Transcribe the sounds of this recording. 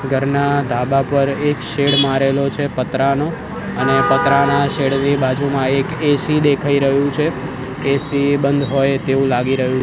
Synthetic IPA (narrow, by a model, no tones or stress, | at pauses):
ɡʱəɾnad̪ʱabapəɾekʃeɽmaɾelot͡ʃʰepət̪ɾano | ənepət̪ɾanaʃeɽnibad͡ʒumãekesid̪ekʰaiɾəɦũt͡ʃʰeː | sibənd̪ʱɦojt̪eũlaɡiɾəɦũ